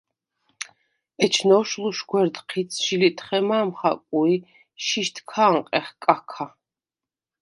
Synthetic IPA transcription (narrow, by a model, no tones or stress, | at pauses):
ɛt͡ʃʰnɔʃluʃɡwɛɾd̪qʰit̪sʰʃilit̪ʰʼχɛmaːmχa̰kʼui | ʃiʃt̪ʰkʰaːɴqʼɛχkʼakʰa